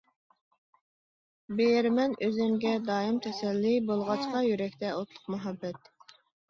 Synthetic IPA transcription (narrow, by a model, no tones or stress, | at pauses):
bejɾmɛnøzɪmɡʲɛd̪ɑːimt̪ʰɛsɛlːibolˠʁɑt͡ʃqɑjyɾɛkʲt̪ʰɛot̪lˠʊqmɛɦɑbːɛt̪̚